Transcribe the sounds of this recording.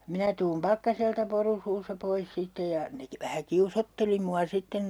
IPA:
minæ tuːm pɑkːɑseltɑ poru suːsːɑ pois sitːej jɑ ne ki ʋæhæ kiusotːeli muɑ sitːen

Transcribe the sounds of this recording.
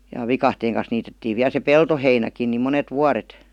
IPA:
jɑ ʋikɑhteːŋ kɑn̞s niːtetːiːʋ ʋiæl se peltoheinækin ni monet ʋuɑret

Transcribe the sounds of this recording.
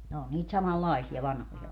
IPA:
ne o niːt sɑmɑlːɑisiɑ ʋɑnhojɑ

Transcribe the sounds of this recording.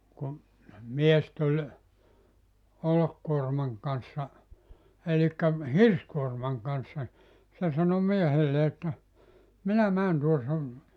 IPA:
kum mies tulʲ olokːuormɑŋ kɑnsːɑ elikːæ hirskuormɑŋ kɑnsːɑ se sɑno miehelːe etːæ minæ mæːn tuo sun

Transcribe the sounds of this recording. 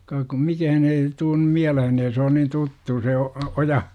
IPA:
kɑːk kum mikæhæn eː tuːn nym miælehen eː se on nin tutːu se o ojɑ

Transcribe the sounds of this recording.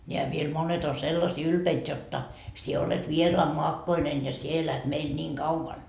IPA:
nʲeæ ʋiel monet on selːɑsiː ylpeit jotːɑ sie olet ʋieroɑmːoɑkːoinen jɑ sie elæt meil nʲiːŋ kɑuʋɑn

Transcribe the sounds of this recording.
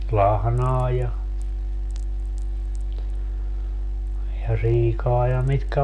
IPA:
lɑhnɑː jɑ jɑ siːkɑː jɑ mitkæ

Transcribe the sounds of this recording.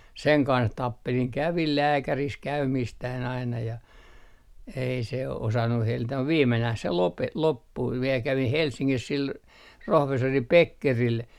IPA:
seŋ kɑns tɑpːeliŋ kæʋil læːkæris kæymiːstæːn ɑinɑ jɑ ei se osɑnːu helːitæ muʋ ʋiːmːenæh se lope lopːui ʋiel kæʋih helsːiŋkis sil rohʋesːori pekːeril

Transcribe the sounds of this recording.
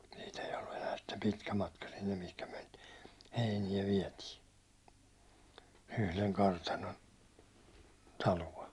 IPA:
siːt ei olːu enæː sitːe pitkæ mɑtkɑ sinːem mihkæ myæ̹ niːt heinijæ ʋiɛtiː yhleŋ kɑrtɑnon tɑluɑ̞

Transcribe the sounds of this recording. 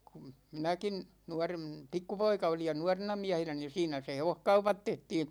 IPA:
kum minækin nuɑrem pikːupoikɑ olij jɑ nuɑrenɑ miæhenæ ni siːnæ se heʋohkɑupɑt tehtiːn

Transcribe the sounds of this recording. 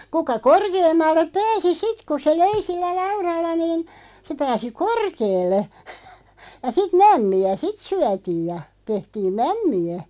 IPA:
kukɑ korkeːmːɑlːep pæːsi sit ku se løi silːæ lɑurɑlːɑ niːn se pæːsi korkeːlːe jɑ sit mæmːiæ sit syætiːj jɑ tehtiːm mæmːiæ

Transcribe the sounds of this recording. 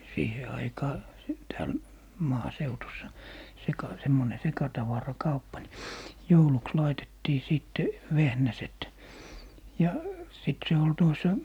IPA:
siːhe ɑikɑː s tæːl mɑːseutusːɑ sekɑ semːone sekɑtɑʋɑrɑkɑupːɑ ni jouluks lɑitetːiː siˑtːe ʋehnæset jɑ sit se ol tuos

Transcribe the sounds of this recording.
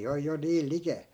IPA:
oj jo niːl likeˑl

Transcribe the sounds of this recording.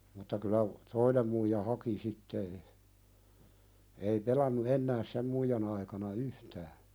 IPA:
mutːɑ kylːæ toinem muijɑ hɑki sitːe e ei pelɑnːu enːæː sem muijɑn ɑikɑnɑ yhtæː

